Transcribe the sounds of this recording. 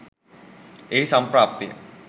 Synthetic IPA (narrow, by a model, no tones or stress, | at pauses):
eisampɾaːp̚t̪jḭ